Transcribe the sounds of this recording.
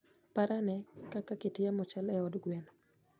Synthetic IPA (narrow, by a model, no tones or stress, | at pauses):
paɾanɛkakaketɪjamɔt͡ʃalɛɔdɡwɛn